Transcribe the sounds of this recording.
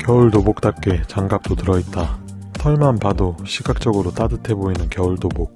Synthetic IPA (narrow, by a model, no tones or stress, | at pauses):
kjʌuɭtobok̚t͈ap̚k͈et͡ɕaŋɡap̚t͈otɯɾʌit̚t͈a | tʰʌɭmanpadoɕʰiɡak̚t͡ɕ͈ʌɡɯɾot͈adɯtʰe̞boinɯnkjʌuɭdobok̚